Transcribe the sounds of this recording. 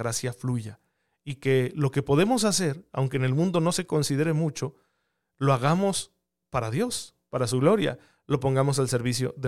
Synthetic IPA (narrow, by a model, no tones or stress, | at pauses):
ɾasjafluʝa | ike̞lo̞ke̞po̞ðe̞mo̞s̬ase̞ɾa̰wŋkeːne̞lmũnd̪o̞no̞se̞ko̞nsiðe̞ɾe̞mut͡ʃo̞ | lo̞aɣamo̞s | paɾaðjo̞s | paɾasuɣlo̞ɾja̰ | lo̞po̞ŋɡamo̞s̬alse̞ɾβis̬jo̞̰ðe